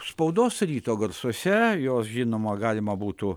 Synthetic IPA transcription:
spɐʊd̪oːsɾʲiːt̪oːɡɐrsosʲɛjoːsʒʲinoːmɐɡɑːlʲɪmɐbuːt̪u

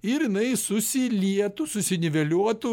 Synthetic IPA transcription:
ɪɾjɪnɐɪsʊsʲɪlʲiɛt̪ʊsʊsʲɪnʲɪʋʲɛlʲuɔt̪ʊ

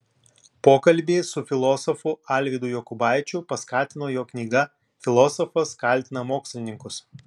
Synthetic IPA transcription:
poːkɐlʲˑbʲeːsʊfʲɪlˠɔsɔfʊɑlʲʋʲɪd̪ʊjɔkʊbɑˑɪt͡ʃʲʊpɐskɑːt̪ʲɪnoːjoːknʲiːɡɐ | fʲɪlˠɔːsɔfɐskɐlʲt̪ʲɪnɐmoːksʲlʲɪnʲɪŋkʊs

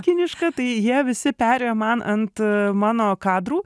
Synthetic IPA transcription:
kʲɪnʲɪʃkɐt̪ɐɪjiɛʋʲɪsʲɪpʲæːɾʲejoːmɐnʔɐnt̪mɑːnoːkɑːd̪ɾuː

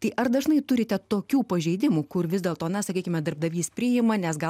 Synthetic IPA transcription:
t̪ɐɪʔɐɾd̪ɐʒnɐɪt̪ʊɾʲɪt̪ʲɛt̪oːkʲuːpɐʒʲɛɪd̪ʲɪmʊkʊrʋʲɪzʲd̪ʲeːlˠt̪oːnɐsɐkʲiːkʲɪmʲɛd̪ɐɾb̚d̪ɐʋʲiːspʲɾʲɪjɪmɐnʲɛsɡɐ

